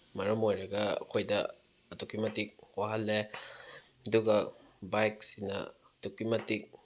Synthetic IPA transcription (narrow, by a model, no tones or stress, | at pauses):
mɐɾɐmojɾɐɡɐɐ̰kʰojdɐ | ɐtokimɐtik̚waɦɐlːe | ɐduɡɐ | bajk̚sinɐ̰ | ɐtukimɐtik̚